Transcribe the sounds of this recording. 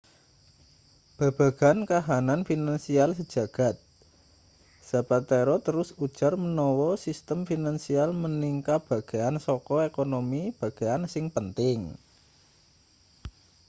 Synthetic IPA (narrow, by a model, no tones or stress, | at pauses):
b̥a̤b̥a̤ɡ̥a̤nkaɦananfinansialsəd̥ʒ̥a̤ɡ̥a̤t̪̚ | sabat̪eɾɔt̪əɾʊsud̥ʒ̥a̤rmənɔwɔsist̪əmfinansialməniŋkab̥a̤ɡ̥eansɔkɔekonomib̥ä̤ɡ̥eansɪŋpənt̪ɪŋ